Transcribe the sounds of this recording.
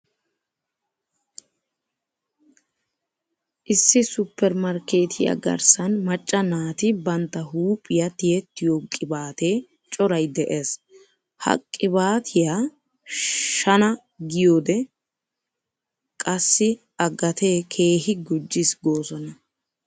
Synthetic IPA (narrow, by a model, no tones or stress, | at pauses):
ʔɪsːɪsʊpːɛɾmɐɾke̞ːt̪ʰɪja̰ɡɐ̰ɾsɐnmɐt͡ʃʼːɐnaːt̪ɪbɐnt̪ːɐɦuːpʼːɪjɐt̪ɪjɛt̪ːɪjokʼːɪbaːt̪eː | t͡ʃʼɔɾɐjd̪ɛʔeːs | hɐ̰kʼːɪbaːt̪ʰɪja | ʃɐnɐ | ɡɪjoːd̪ɛ | kʼɐsːɪ | ʔɐɡɐt̪ʰe̞ːkʰe̞ːhɪɡʊd͡ʒːɪsɡo̞ːsɔnɐ